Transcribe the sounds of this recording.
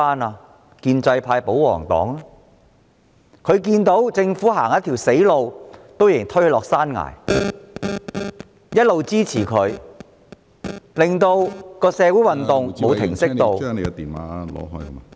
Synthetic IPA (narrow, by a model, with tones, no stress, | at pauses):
aː˥naː˧ | kiː˧nt͡sɐ˧jpʰaː˧jpo˨˥wwɔ̰ː˨˩ŋt̪ɔ̰ː˨˥ŋa˦ | kʰɵ˨˧ɥk̬iː˧nt̪o˨˥wt͡sɪ˧ŋfuː˨˥ɦaː˨˩ŋjɐ˥t̪ʰi˨˩wse˨˥jlo˨wt̪o˥wje˨˩ŋt̪ʰhɵ˧lɔː˨˩k̚saː˥nŋa̰ː˨˩j | jɐ˥t̚lo˨wt͡siː˥t͡sʰiː˨˩kʰɵ˨˧ɥ | lɪ˨ŋt̪o˧wkɔː˧sɛː˨˧wuː˨˥jwɐ˨nt̪ʊ˨ŋmo˨˧wt̪ʰɪ̰˨˩ŋsɪ˥kt̪o˨˧wne˨˧t̪iː˨nwa̰ː˨˦lɔ̰ː˨˧ɦɔː˥jkɐ˥ma˨